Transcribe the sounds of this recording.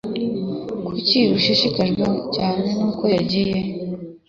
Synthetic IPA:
kʰuciɾuʃiʃikaʒɡacaːne̞nuːkojaɟije

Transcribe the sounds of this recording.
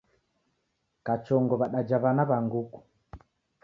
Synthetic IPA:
kat͡ʃɔŋɡɔβaɗad͡ʒaβanaβaŋɡuku̥

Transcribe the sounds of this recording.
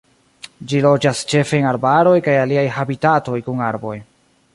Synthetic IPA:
d͡ʒilo̞d͡ʒast͡ʃe̞fe̞enaɾbaɾo̞jkajaliajhabitato̞jkunaɾbo̞j

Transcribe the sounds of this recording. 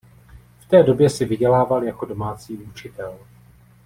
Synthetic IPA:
ft̪ɛːdo̞bjɛsɪvɪɟɛlaːvaljako̞do̞maːt͡siːut͡ʃɪt̪ɛl

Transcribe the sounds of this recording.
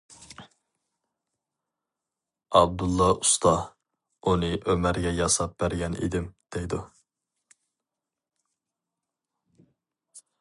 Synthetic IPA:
ɑb̚d̪ulˠːɑust̪ʰɑ | unɨʔømæɾɡʲɛjɑsɑp̚bæɾɡʲɛnḭd̪ɪmd̪̥ejd̪u

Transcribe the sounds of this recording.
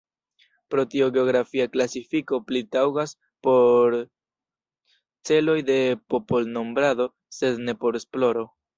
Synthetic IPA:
pɾo̞tioɡe̞oɡɾafiaklasifiko̞plitawɡas | po̞ɾ | t͡se̞lo̞jde̞po̞po̞lno̞mbɾado̞ | se̞dne̞po̞ɾesplo̞ɾo̞

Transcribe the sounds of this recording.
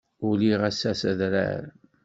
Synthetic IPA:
ʊliʁæsæsæðɾæ̰ɾ

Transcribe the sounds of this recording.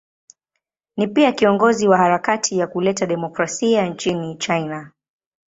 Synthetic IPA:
nipiakiɔŋɡɔziwahaɾakatʰijakulɛtaɗɛmɔkɾasiant͡ʃinit͡ʃajna

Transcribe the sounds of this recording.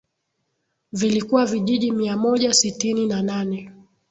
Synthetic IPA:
vilikuwaviʄiʄimiamɔʄasitininananɛ

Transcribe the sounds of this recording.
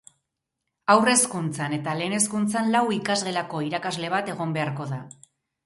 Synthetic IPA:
awre̞skunt͡sane̞t̪ale̞ːne̞skunt͡sanlawikazɣe̞lako̞iɾakazle̞β̞at̪e̞ɣ̞o̞mbe̞aɾko̞ða

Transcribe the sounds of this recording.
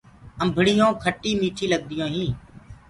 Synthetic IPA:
əmbʱɪɽ̤ɪjõːkʰəʈːiːmiːʈʰiːləɡ̚d̪ɪjõːɦĩː

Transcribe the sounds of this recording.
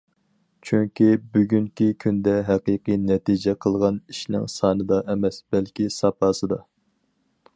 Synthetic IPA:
t͡ʃʰyŋkʲibyɡʲyŋkʲikʲʰynd̪ɛɦɛqiqɨjnɛt̪id͡ʒɛqʰəlˠʁɑniʃnɪ̰ŋsɑːnɨd̪ɑʔɛmɛsb̥ɛlkʲʰisɑpʰɑːsɨd̪ɑ

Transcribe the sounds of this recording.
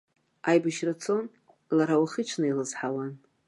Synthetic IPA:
ajbaʃrat͡sʰo̞n | laɾawaχət͡ʃʷʰnɨilɨzħawan

